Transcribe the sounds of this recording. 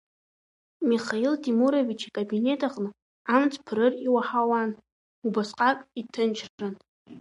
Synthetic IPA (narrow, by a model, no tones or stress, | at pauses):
miχailtʰimuɾovit͡ʃʰikʼabine̞tʰʼaχnɨ | amt͡sʰʼpʰrɾɨriwaħawan | ubasqʼakʼitʰɨnt͡ʃʰrʈ͡ʂʼɨn